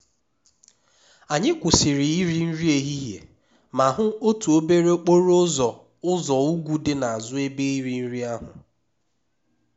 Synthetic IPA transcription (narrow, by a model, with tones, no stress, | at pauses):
a˨ɲɪ˦kʷʊ˨sɪ˨ɾɪ˨i˦ɾi˦n̩˦ɾi˦e˨ɦi˦ɦjḛ˨ | ma˨ɦʊ˦o˦tu˨o˦be˦ɾe˦o˦k͡po˦ɾʊ˦zɔ˨ | ʊ˦zɔ˨u˦ɡʷu˦dɪ˦na˨a˨zʊ˦e˦be˦i˦ɾi˨n̩˦ɾi˦a˦ɦʊ̰˨